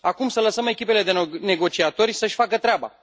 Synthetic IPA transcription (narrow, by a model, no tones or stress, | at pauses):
akumsələsəme̞kʲipe̞le̞d̪ene̞ɡo̞t͡ʃiat̪o̞rʲsəʃʲfakət̪ɾeaba̰